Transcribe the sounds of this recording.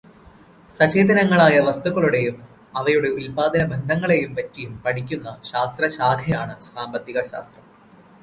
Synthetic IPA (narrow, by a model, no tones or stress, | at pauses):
sɐt͡ɕeːd̪ɐnɐŋːɐɭaːjɐʋɐst̪uɣɐɭuɽe̞jum | ɐʋɐjuɽe̞ulpaːd̪ɐnɐbe̞nd̪ʱɐŋːɐɭe̞jumpɐtːijumpɐɳikʲːunːɐɕaːst̪rɐɕaːd̪ʱjɐjaːɳɨsaːmbɐt̪ːiɣɐɕa̰ːst̪rɐm